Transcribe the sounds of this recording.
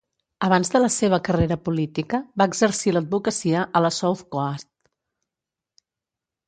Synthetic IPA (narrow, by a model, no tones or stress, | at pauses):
əβ̞anzðələseβ̞əkəreɾəpulit̪ikəbaəɡzəɾsiləd̪̚bukəsiəʔələsowθkast̪